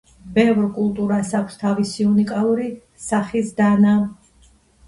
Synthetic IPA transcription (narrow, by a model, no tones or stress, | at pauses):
bɛvɾkʼulˠt̪ʼuɾasakʷʰst̪ʰavisiunikʼalˠuɾi | saχisd̪ana